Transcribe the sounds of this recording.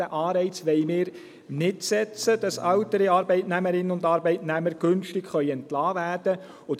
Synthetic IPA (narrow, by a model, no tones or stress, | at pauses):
əʔɑːɾɛɪt͡sʋɛɪmɪːɾ | nɪtsɛt͡səd̥ɑsɑwtəɾiɑːɾbɛɪtnɛməɾɪnənʊndɑːɾbɛɪtnæməɾɡ̥ʏnʃtɪkχœʏɛntlɑːvæːɾd̥ə | ʊ